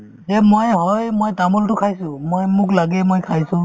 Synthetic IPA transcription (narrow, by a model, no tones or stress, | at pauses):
ɛmojɦɔjmojtamɔltʊkʰajsʊ̃mojmʊklaɡɛmojkʰajsʊ̃